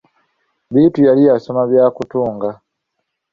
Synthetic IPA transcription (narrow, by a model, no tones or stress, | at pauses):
βiːtujalijaso̞maβjaːkutuːŋɡa